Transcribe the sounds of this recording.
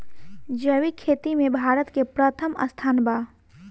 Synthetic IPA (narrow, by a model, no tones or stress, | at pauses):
d͡ʒəʋikʰːeːt̪imẽbʱaːɾət̪kepɾət̪ʰəmɐ̰st̪ʰaːnbaː